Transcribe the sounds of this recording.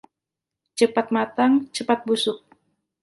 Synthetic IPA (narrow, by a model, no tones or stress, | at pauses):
t͡ʃəpat̪̚mat̪aŋt͡ʃəpat̪̚busʊk̚